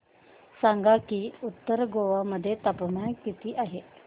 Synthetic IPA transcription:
saŋɡakiːut̪ːəɾɡoʋaməd̪ʱːjet̪apmaɳkit̪iːʔaɦe

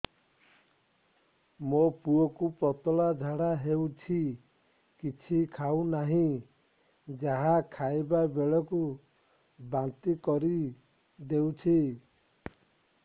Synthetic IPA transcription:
mopuɔkupɾɔt̪ɔlad͡ʒʱaɽaɦewt͡ʃʰi | kit͡ʃʰikʰawnaɦĩ | d͡ʒaɦakʰajbabeɭɔku | bant̪ikɔɾi | d̪ewt͡ʃʰi

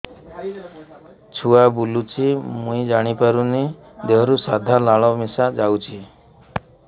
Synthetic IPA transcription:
t͡ʃʰuabulut͡ʃʰimũid͡ʒaɽ̃ipaɾuni | d̪eɦɔɾusad̪ʱalaɭɔmisad͡ʒawt͡ʃʰi

